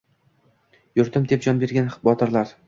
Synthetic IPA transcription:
jʊɾt̪ʰɪmd̪ep̚d͡ʒɒnbe̞ɾɡʲanbɒt̪ʰɪɾlaɾ

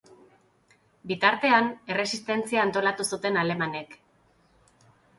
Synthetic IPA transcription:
bit̪aɾt̪e̞ane̞re̞sist̪e̞nt͡siaːnt̪o̞lat̪usut̪e̞nale̞mane̞k

